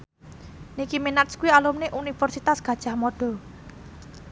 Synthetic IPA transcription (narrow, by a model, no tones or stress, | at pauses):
nikiminat̪skuwialumneʔunifɛrsit̪asɡ̥ä̤d̥ʒ̥ähmɔɖ̥ɔ̤